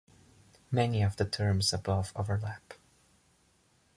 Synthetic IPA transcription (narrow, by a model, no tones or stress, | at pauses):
mɛniʌvðɨtʰɜ̃˞mzəbʌvoʊvə˞læp